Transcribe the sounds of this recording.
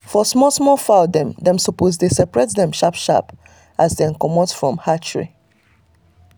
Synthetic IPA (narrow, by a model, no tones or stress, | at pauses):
fɔsmɔsmɔfaʊdɛ̃mdɛ̃msopos̬desɛpɹɛtdɛ̃mʃapʃa̰p | ʔazdɛ̃nkɔmɔtfɹɔ̃mhat͡ʃɹḭ